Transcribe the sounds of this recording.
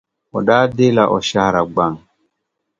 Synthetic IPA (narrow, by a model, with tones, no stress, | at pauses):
ɔ̰˨ɗaː˦de˦la˨ʔɔ̰˨ʃa˦hɾa˨ɡ͡ba˦˨ŋ